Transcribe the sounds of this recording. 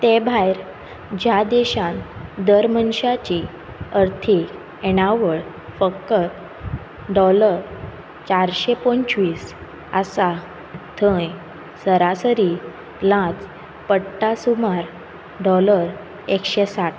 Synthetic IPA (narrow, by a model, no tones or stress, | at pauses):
t̪ebʱajɾ | d͡ʑad̪eɕãnd̪əɾmənɕat͡ɕi | əɾt̪ʰi | eɽ̃aʋəɭ | fəkːət̪̚ | ɖɔləɾ | t͡ɕaɾɕepɔ̃ɲt͡ɕʋiːs | a̰sa | t̪ʰə̃j | səɾasəɾi | lãt͡s | pəɽʈːasumaɾ | ɖɔləɾ | ekɕesaʈ